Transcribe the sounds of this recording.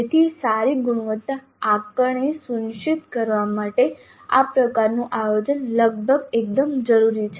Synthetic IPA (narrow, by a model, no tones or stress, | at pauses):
et̪ʰisaɾiɡuɽ̃uʋət̪ːa | akəɳisunʃit̪kəɾʋamaʈe | a̰pɾəkaɾnũʔajod͡ʒənləɡ̚bʱəɡek̚d̪əmd͡ʒəɾuɾit͡ʃʰe